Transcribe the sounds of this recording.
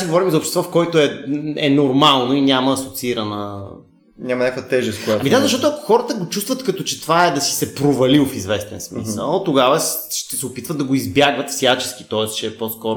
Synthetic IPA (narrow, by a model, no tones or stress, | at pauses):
sɛɡovɔɾimzɐopʃt̪ɛst̪vɔfkɔjt̪oɛɛnoɾmalˠnoinʲamɐːsot̪siɾɐnə | ɲʲamɐnʲɲʲjakəvɐt̪ɛʒɛst̪kʊjaɐmid̪azɐʃt̪ɔt̪oɐko̥xɔɾət̪əɡot͡ʃust̪vət̪kɐt̪ɔt͡ʃɛ̥t̪ovaɛd̪ɐsi̥sɛpɾovɐliofizvɛst̪ɛnsmḭsə̰lˠt̪oɡavəʃt̪ɛsɛopit̪vət̪d̪ɐɡoizbjaɡvɐt̪fsjat͡ʃɛ̥sk̟i̥t̪ɔɛst͡ʃɛːpɔskɔɾ